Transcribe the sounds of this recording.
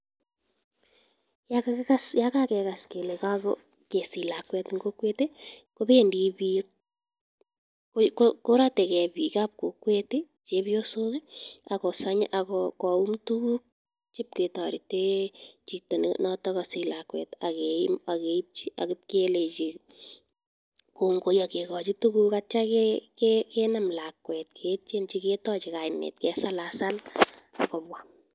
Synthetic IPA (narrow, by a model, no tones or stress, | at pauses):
jakakɛkasjakakɛkaskelekakɔ | kesilakwɛtŋɡokwetekobendibi | kokokoɾatɛkɛbikap̚kokwete | t͡ʃebjosokeakɔsaɲaʔakɔkɔumtuuk̚ | t͡ʃɪp̚ketɔɾitet͡ʃitonnɔtɔkɔsɪlakwɛ̰ːtakemakeip̚t͡ʃiʔa̰kɪp̚kelet͡ʃi | koŋɡojakekɔt͡ʃitukukat͡ʃakɛkɛkɛnamlakwɛt̚kʰet͡ʃent͡ʃiketɔt͡ʃɪkajnɛ̰ːt̚kɛsalasal | akɔpwa